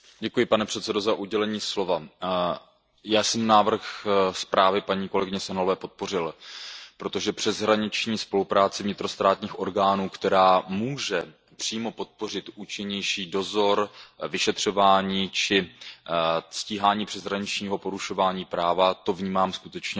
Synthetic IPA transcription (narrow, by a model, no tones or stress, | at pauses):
ɟɛkujɪpanɛpr̥ɛt̪sɛdo̞zaʔuɟɛlɛɲiːslo̞va | jaːsɛmnaːvr̩xspɾʔaːvɪpaɲiːko̞lɛɡɪɲɛsɛnlovɛːpo̞t̪̚po̞rɪlpɾo̞t̪o̞ʒɛpr̥ɛzɦɾaɲɪt͡ʃɲiːspo̞lupɾaːt͡sɪvɲɪt̪ɾo̞st̪ɾaːt̪ɲiːxʔo̞ɾɡaːnuːkt̪ɛɾaːmuːʒɛ | pr̥iːmo̞po̞t̪̚po̞rɪt̪ʔuːt͡ʃɪɲɛjʃiːdo̞zo̞ɾvɪʃɛt̪r̝̥o̞vaːɲiːt͡ʃɪ | sciːɦaːɲiːpr̥ɛzɦɾaɲɪt͡ʃɲiːɦo̞po̞ɾuʃo̞vaːɲiːpɾaːvat̪o̞vɲiːmaːmskut̪ɛt͡ʃɲɛ